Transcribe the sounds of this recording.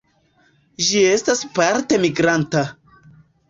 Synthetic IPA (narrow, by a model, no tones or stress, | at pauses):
ʒie̞staspaɾte̞miɡɾanta